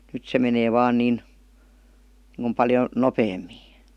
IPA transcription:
nyt se meneː ʋɑːn niːn niŋku pɑljo nopeːmːiː

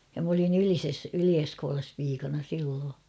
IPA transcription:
jɑ m olin ylises ylie̥skoːlɑs piːkɑnɑ silːoː

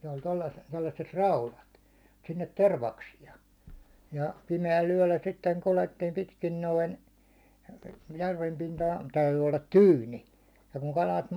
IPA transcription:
ne olʲ tolːɑs tolːɑsːet rɑulɑt sinːet terʋɑksiɑ jɑ pimeæl yæ̹lːæ sitːeŋ kuletːiːm pitkin noin jærʋem pintɑhɑ̥n̥ tæyty olːɑt tyːni jɑ kuŋ kɑlɑt

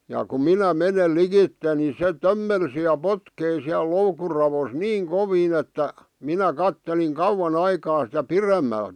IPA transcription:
jɑ ku minæ menel likitːe ni se tømːelsi jɑ potkei siæl loukur rɑʋos niːŋ koʋiːn etːæ minæ kɑtːeliŋ kɑuwɑn ɑikɑː sitæ piremːælt

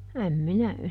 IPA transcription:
æm minæ

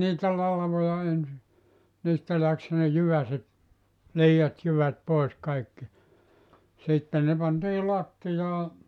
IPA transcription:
niːtæ lɑlʋojɑ ensi niːstæ læks ne jyʋæset liːɑt jyʋæt poˑis kɑikːi sitːe ne pɑntiː lɑtːijɑː

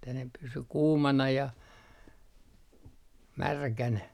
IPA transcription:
etːæ ne pysy kuːmɑnɑ jɑ mærkænæ

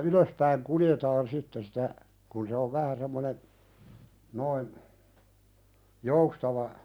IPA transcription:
yløspæiŋ kuljetɑːn sitːe sitæ kun se oʋ ʋæhæ semːonen noin joustɑʋɑ

